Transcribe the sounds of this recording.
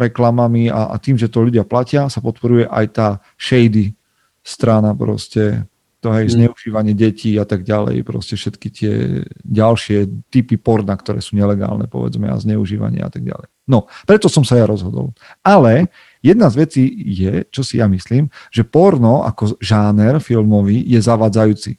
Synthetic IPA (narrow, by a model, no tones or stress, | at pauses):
ɾɛklamamia̰a̰t̪iːmʒɛt̪ɔʎuɟɪaplacɪasapɔt̪pɔɾujɛʔa̰jt̪aː | ʃɛjd̪i | st̪ɾanapɾɔ̰scɛ | t̪ɔɦɛjzɲɛuʒiːʋaɲɪɛɟɛciːat̪aɡɟalɛ̰jpɾɔ̰scɛfʃɛt̪kit̪ɪɛ̰ɟalʃɪɛt̪ipipɔɾnakt̪ɔɾɛ̰ːsuːɲɛlɛɡa̰ːlnɛ̰pɔ̰ʋɛ̰d͡zmɛ̰a̰zɲɛuʒiːʋa̰ɲɪɛ̰a̰t̪aɡ̚ɟa̰lɛ̰jnɔpɾɛt̪ɔsɔmsajaɾɔzɦɔd̪ɔ̰l | alɛ | jɛd̪nazʋɛt͡siːjɛt͡ʃɔsijamisliːmʒɛpɔɾnɔa̰kɔʒaːnɛɾfilmɔʋijɛzaʋaːd͡zajuːt͡sḭ